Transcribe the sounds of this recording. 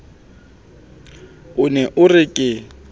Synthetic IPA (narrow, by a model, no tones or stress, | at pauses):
ʊnɛʔʊrɪkʼɪ